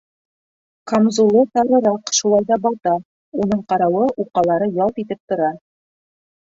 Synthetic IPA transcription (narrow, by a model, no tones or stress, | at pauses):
kɑmzulˠɤt̪ɑɾɤ̆ɾɑqʃulˠɑjðɑbɒlˠt̪ɑ | unɤɴqɑɾɑwɤʔuqɑlˠɑɾɤjɑlˠt̪it̪ɘp̚t̪ŏɾɑ